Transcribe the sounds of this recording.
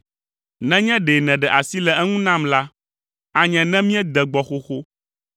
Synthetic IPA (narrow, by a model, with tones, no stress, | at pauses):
nɛ̃˦ɲɛ̃˦ɖe˨nɛ̃˨ɖɛ˨ʔa˨si˦lɛ˨ʔɛ˦ŋũ˦nã˦˨mla˦ | a˨ɲɛ̃˨nɛ̃˦mĩ˦ɛ˦d̪ɛ˨ɡ͡bɔ˨xo˦xo˦